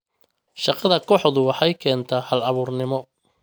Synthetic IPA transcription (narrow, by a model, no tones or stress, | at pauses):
ʃɑqɑðɐkʰɔħðʊwɑħɑjkʰɛːnt̪ʰaːhɐlɐβuːrnɪmɔ